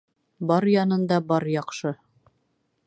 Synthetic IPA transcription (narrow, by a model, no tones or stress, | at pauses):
bɒɾjɑnɤ̆nd̪ɑbɒɾjɑqʃɤ